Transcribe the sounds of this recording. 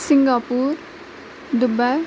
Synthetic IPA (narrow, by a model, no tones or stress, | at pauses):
siŋɡapuɾ | d̪ubaj